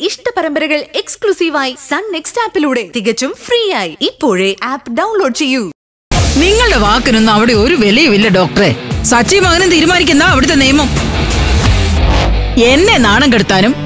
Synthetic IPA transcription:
iʂʈɐpɐɾɐmbɐɾɐɣɐɭeksklusiːʋaːjisɐɳne̞kstaːpːiluːɽe̞t̪iɣɐt͡ɕːumfriːjaːjiipːo̞ːɻeʔaːpɖɐwnlo̞ːɖ̚t͡ɕe̞jːu | niŋːɐɭɨɽe̞ʋaːkːinonːɨɐʋiɽe̞o̞ɾuʋe̞lɐjɐʋilːɐɖo̞ːk̚ʈɐrḛsɐt͡ɕːɐjɐmɐŋɐnumt̪iːɾumaːnik̬ʲːunːɐɐʋiɽut̪̬ːenejmːom | e̞nːe̞naːɳɐŋkeɽut̪ːaːnum

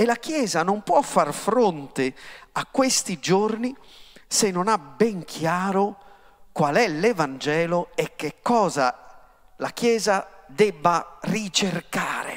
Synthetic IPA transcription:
ɛlakjɛːzanompwɔfːarfɾont̪eakːwest̪id͡ʒorni | senːɔnabɛŋkʰjaːɾo | kwalɛlɛvand͡ʒɛːlɔɛkːekːɔːza | lakjɛːzad̪ɛbːarit͡ʃerkaːɾḛ

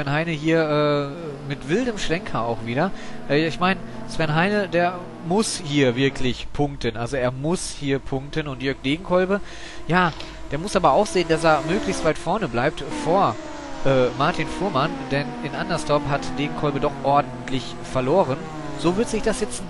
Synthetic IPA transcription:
vɛnhaɪnəhiːɐʔɛː | mɪtv̥ɪldəmʃʁ̥ɛŋkʰɐaʊxv̥iːdɐʔɛɪçmaɪnsv̥ɛnɦaɪnədeːɐ | mʊshiːɐvɪɐkʰlɪçpʰʊŋk̚tənʔalzoeːɐmʊshiːɐpʰʊŋk̚tənʊntjœɐk̚d̥eːɡŋ̩kʰɔlbə | jaː | d̥eːɐmʊsʔaːbɐaʊxz̥eːənd̥as̬eːɐmøːklɪçstv̥aɪtfɔɐnəblaɪp̚tfoːɐ | ʔɛːmaɐtʰinfuːɐmand̥ɛnɪnʔandɐstɔɐpɦatd̥eːɡŋ̩kʰɔlbədɔχʔɔɐdn̩tʰlɪç | fɛɐloːʁ̞ən | z̥oːvɪɐtz̥ɪçd̥asjɛt͡sn

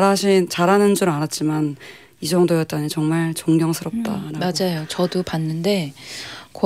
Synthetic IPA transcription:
ɾaɕʰint͡ɕaɾɦanɯnd͡ʑuɾɯanat̚t͡ɕ͈iman | id͡ʑʌŋdojʌt͈̚aɲit͡ɕʌŋmaɭt͡ɕʌŋɡjʌŋsʰɯɾʌp̚t͈a̰ɾamad͡ʑajot͡ɕʌdupanːɯnde̞ | k

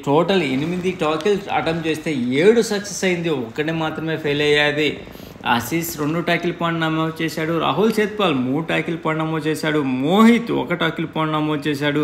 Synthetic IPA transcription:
ʈoːʈɐlenimid̪iʈaːkilsɐ̰ʈɐmt͡ʃe̞ːst̪e̞ːeːɽusɐksesɐjind̪iɔkːɐɽimaːt̪ɾɐme̞ːpʰeːlɐjaːd̪i | ɐ̰sisɾeɳɖuʈaːkilpaːɳʈnɐmoːd̪t͡ʃɛːsaːɽuɾa̰ːɦult͡ʃeːt̪̚paːlmuːɽuʈaːkilpɐːɳnɐmoːt͡ʃɛːsaːɽumoːɦit̪ɔ̰kɐʈaːkilpaːɳʈnɐmoːd̪t͡ʃɛːs̬aːɽu

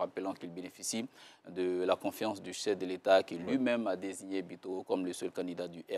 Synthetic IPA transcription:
ʁapəlɑ̃kilbenefisid̪əlakɔ̃fjɑ̃sd̪yʃɛfd̪əlet̪akʲilɥimɛ̃mad̪eziɲebit̪okɔmləsɛlkɑ̃d̪id̪ad̪yʔɛ

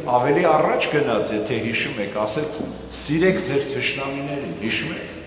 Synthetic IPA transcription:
ɑvɛliɑrɑt͡ʃʰɡənɑt͡sʰjɛt̪ʰɛɦiʃumɛkʰɑsɛt͡sʰ | siɾɛkʰd͡zɛɾt͡s̪ʰəʃʰnɑminɛɾinhiʃumɛ̰kʰ

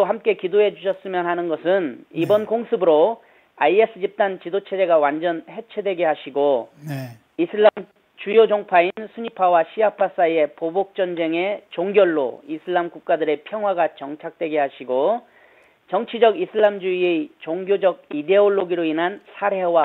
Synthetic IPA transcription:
ohamk͈e̞kidoɦe̞d͡ʑuɕʰʌs͈ɯmjʌnɦanɯnɡʌsʰɯnibʌnkoŋsʰɯbɯɾo | aies͈ʰɯd͡ʑip̚t͈ant͡ɕidot͡ɕʰe̞d͡ʑe̞ɡawand͡ʑʌnhe̞t͡ɕʰe̞dwe̞ɡeɦaɕʰiɡon | isʰam | t͡ɕujod͡ʑʌŋpʰainsʰuɲipʰawaɕʰiapʰas͈aie̞pobok̚t͡ɕ͈ʌnd͡ʑeŋe̞t͡ɕoŋɡjʌɭːo̰isʰɯɭːamkuk̚k͈adɯɾe̞pʰjʌŋɦwaɡat͡ɕʌŋt͡ɕʰak̚t͈we̞ɡehaɕʰiɡo | t͡ɕʌŋt͡ɕʰid͡ʑʌɡisʰɯɭːamd͡ʑuie̞t͡ɕoŋɡjod͡ʑʌɡ̚ide̞oɭːoɡiɾoinɦansʰaɾe̞wa

